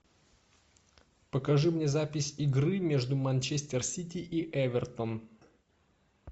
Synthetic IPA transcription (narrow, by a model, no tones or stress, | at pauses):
pəkɐʐɨmnʲezapʲɪsʲɪɡɾɨmʲe̞ʐd̪ʊmɐnʲt͡ɕesʲt̪ʲɪrsʲitʲɪʔiʔɛvʲɪrt̪ən